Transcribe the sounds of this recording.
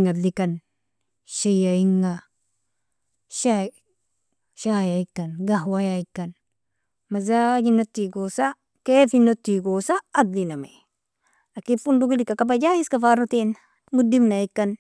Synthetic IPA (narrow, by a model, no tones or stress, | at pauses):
ŋadlikan | ʃajaiŋa | ʃa | ʃajaikːanɡahwajaikːan | mazad͡ʒinotːiɡosa | kefinotːiɡosaːdlinamḛ | akifunduɡilikːakabad͡ʒahiskafaɾoten | mudimnaikːan